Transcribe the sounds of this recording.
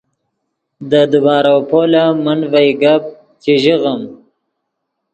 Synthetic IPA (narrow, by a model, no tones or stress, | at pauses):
d̪əd̪ubɑːɾawpolamanvajɡab̚ | t͡ʃiʒiɣəm